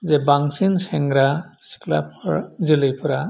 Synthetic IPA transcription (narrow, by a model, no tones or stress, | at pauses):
zɛbaŋsinsɛŋɡɾasi̥kla̰p̚ʰɔzilɯjpʰuɾa